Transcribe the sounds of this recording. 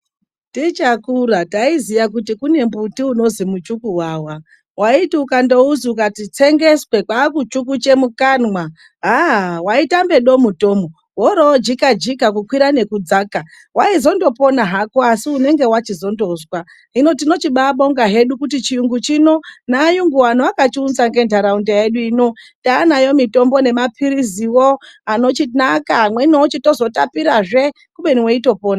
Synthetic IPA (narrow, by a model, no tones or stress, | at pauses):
tit͡ʃakurataizijak̬utikune̞mbutiuno̞zimut͡ʃukuwaːwa | waitiukando̞uziukatit͡se̞ŋɡe̞swe̞kwaːkut͡ʃuk̬ut͡ʃe̞mukanwa | ɦaɦwaitambe̞ɗo̞muto̞ːmo | woɾod͡ʒikad͡ʒikak̬ukwiɾane̞kud͡zaːka | waizo̞ndo̞po̞naɦakoasiune̞ŋɡe̞wat͡ʃizo̞ndo̞zwa | ino̞tino̞t͡ʃiɓaɓo̞ŋɡaɦe̞ɗukutit͡ʃijuŋɡut͡ʃino̞naːjuŋɡuanoakat͡ʃiunzaŋɡe̞ndʱaɾaundejeɗuiːno̞taːnajo̞mito̞mbo̞ne̞mapʰiɾiziwoano̞t͡ʃinakamwenoot͡ʃito̞zo̞tapiɾaʐe | kuɓe̞niweito̞poːna